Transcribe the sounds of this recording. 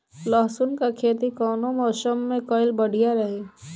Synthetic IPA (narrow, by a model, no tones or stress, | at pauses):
lɔːɦsʊnkakʰeːt̪ikɔːnõmɔːʃəmːẽkɔːɪlbəɽ̤ijaɾɐɦeː